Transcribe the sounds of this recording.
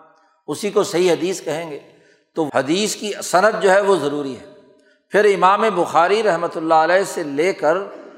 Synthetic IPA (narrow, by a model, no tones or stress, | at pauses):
ʊsikosɐɦiɦɐd̪iːskɐɦẽːŋɡeː | t̪ohɐd̪iːskisɐnəd̪̚d͡ʒoːɦɛʋozɐɾuːɾiɦɛː | pʰɪɾɪmaːmebʊxaːɾiɾɐɦmət̪ʊlːaəlɛːseleːkəɾ